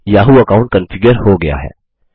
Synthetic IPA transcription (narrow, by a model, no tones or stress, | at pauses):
jaːɦuɐkãːʊ̃ɳʈ̚kɐ̃nfɪɡjəɾhoɡɐja̰ɦɛ̰ː